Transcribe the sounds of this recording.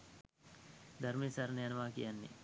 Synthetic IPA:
d̪ʱɐɾmeːsɐɾnɐjɐnɐʋaːkḭjanːḛ

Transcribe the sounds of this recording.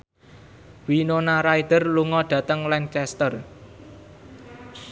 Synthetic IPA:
winonaɾaid̪̥ərluŋɔɖ̪̥ä̤t̪əŋlɛŋkɛst̪ər

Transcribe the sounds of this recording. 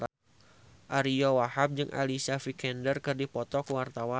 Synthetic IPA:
ʔaɾijɔwahap̚d͡ʒɨŋʔa̰lisafikɛndərkɨrdipɔt̪ɔkəwart̪awa

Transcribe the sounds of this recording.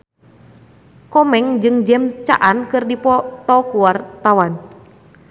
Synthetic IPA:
kɔmɛŋd͡ʒɨŋd͡ʒɛmt͡ʃa̰ʔankɨrdipɔt̪ɔkuwart̪awan

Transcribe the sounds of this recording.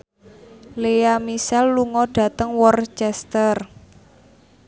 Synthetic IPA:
lejamisɛlːuŋɔɖ̥ä̤t̪əŋwɔrt͡ʃɛst̪ər

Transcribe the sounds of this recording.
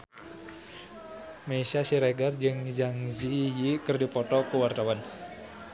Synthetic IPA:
maisasiɾɛɡard͡ʒɨŋd͡ʒaŋzijikərdipɔt̪ɔkuwart̪awan

